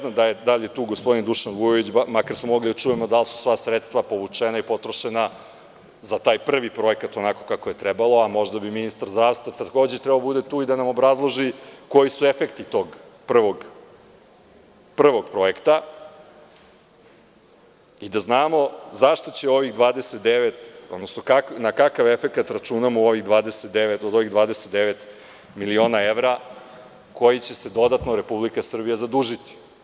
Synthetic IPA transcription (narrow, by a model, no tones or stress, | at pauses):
neznamd̪ajed̪aʎjet̪uːɡospod̪ind̪uʃanɡujoʋit͡ɕmakaɾsmomo̞ɡlid̪at͡ʂuːjemod̪alsu̥sʋasɾet̪st̪ʋapo̞ʋut͡ʂenaipo̞t̪ɾoʃena | zat̪aːjpr̩ʋipɾo̞e̞kat̪o̞nako̞̥kakoje̞t̪ɾebalˠo̞amo̞ʐd̪abiminist̪aɾzd̪ɾaːʋst̪ʋat̪ako̞ːd͡ʑet̪ɾɛbalobud̪e̞t̪uːid̪anamo̞bɾazlˠo̞ʒiko̞jisue̞fe̞kt̪it̪o̞ɡ | pr̩ʋo̞ɡ | pr̩ʋo̞ɡ̚pɾo̞ekt̪a | id̪aznaːmo̞zaʃt̪o̞t͡ɕeo̞ʋiɣd̪ʋaːd̪e̞set̪̚d̪eʋet̪od̪nosnokaknakakaʋe̞fe̞kat̪ɾat͡ʃunamuo̞ʋiɣd̪ʋaːd̪eset̪̚d̪eʋet̪od̪o̞ʋiɣd̪ʋaːd̪eset̪̚d̪eʋet̪ | milio̞nae̞ʋɾa | ko̞jit͡ɕe̞se̞d̪o̞d̪at̪noɾe̞publikasr̩bijazad̪uːʒit̪i̥